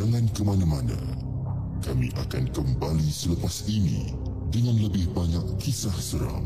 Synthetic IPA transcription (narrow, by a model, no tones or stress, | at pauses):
d͡ʒaŋãnkəmanamana̰ | kamḭʔakankəmbalisələpasinḭ̃ | dəŋanləbɪhbaɲakːisahsəɾa̰ŋ